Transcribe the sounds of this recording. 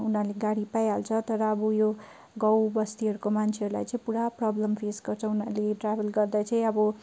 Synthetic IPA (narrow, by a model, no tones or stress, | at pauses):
unaleɡaɽipajɦalt͡sʰʌt̪ʌɾʌːbujo | ɡʌwbʌst̪iɦʌɾukomant͡sʰeɦʌɾula̰jt͡sʌĩpuɽaprʌblʌmpʰesɡʌrt͡sʰʌ̃unaleʈrabʱelɡʌrd̪at͡sʌĩʌbʌ